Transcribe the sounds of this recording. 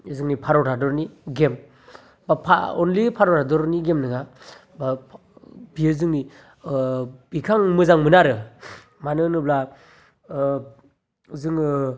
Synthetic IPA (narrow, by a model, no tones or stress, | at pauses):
zɯŋnipʰaɾɔɾʰadɔɾniɡem | bapʰa̰ɔnlipʰaɾɔɾʰadɔɾniɡemnɯŋa | ba | biɯzɯŋni | b̥ikʰaŋmɯzaŋmɯnaɾɯ | manɯnɯbla | zɯŋ